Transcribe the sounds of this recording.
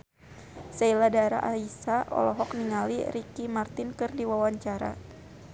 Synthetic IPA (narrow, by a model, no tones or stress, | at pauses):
sailadaɾa̰ʔaisaɔ̰lɔɦɔk̚niŋalḭɾikimart̪ɪnkɨrdiwawaɲt͡ʃaɾa̰